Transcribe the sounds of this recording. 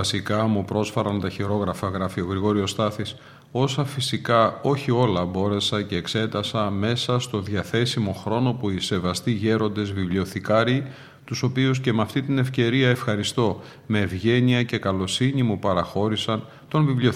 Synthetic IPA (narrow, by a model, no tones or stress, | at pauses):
ɐsikɐmupɾo̞sfɐɾɐnt̪ɐçiɾo̞ɣɾɐfɐɣɾɐfioɣɾiɣo̞ɾio̞st̪ɐθis | o̞sɐfisikɐo̞çio̞lɐbo̞ɾe̞sɐce̞ːkse̞t̪ɐsɐme̞sɐst̪o̞ðʝɐθe̞simo̞xɾo̞no̞puise̞vɐst̪iʝe̞ɾo̞nd̪e̞zvivlio̞θikɐɾi | t̪uso̞pius̬ce̞mɐft̪it̪ine̞fce̞ɾiɐe̞fxɐɾist̪o̞ | me̞ːvʝe̞niɐce̞kɐlo̞siɲimupɐɾɐxo̞ɾisɐn | t̪o̞nvivlio